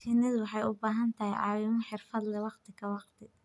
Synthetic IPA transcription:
kʰɛnɐðʊwɑħɑjʊbaːɦɐnt̪ʰɐɦɛjʕɑ̰ːwɪmɐħɪrfɐd̪lɛwɑqt̪ʰɪɣɐwɑqt̪ʰɪ

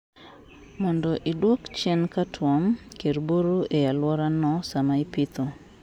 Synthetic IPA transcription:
mɔndɔʔidwokt͡ʃɛnkatʰwɔmkeɾboɾuʔejalwɔɾanɔsamaipɪt̪o

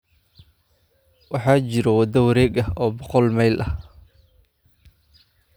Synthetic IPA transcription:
wɑħɑːt͡ʃɪɾɛwɑd̪ɐwɐɾɛːɡɐhɔːbɔqɔlmɛjlʔɐh

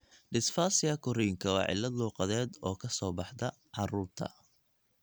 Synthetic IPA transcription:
ɖɪsfaːsɪɣɐkʰʊrijŋkʰɐwɑ̰ːʕɪ̰lːɐd̪luːqɑðɛːd̪ɔːkʰɐsɔːbɑħd̪ɐ | ʕɑruːrt̪ʰɐ̰

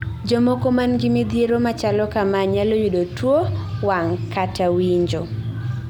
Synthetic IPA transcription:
d͡ʒomokomanɡɪmid̪jeɾomat͡ʃalɔkamaɲalojudotwowaŋkatʰawiɲd͡ʒo

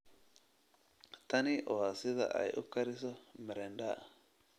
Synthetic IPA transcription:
t̪ɐnɪʔɔwaːsɪðɐ̰ʔɐ̰jʔʊkːɐɾɪsɔmɛɾɛnɗa̰

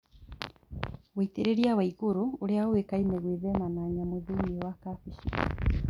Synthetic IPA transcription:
weiteɾeɾiawaiɣoɾooɾeawekaineɣwiðɛmanaɲamoðeɲewakafiʃḭ

